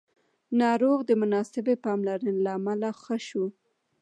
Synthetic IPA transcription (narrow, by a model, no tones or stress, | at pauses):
nɑɾoɣd̪əmʊnɑsɪbepɑmlaɾənelaːmalaxəʃu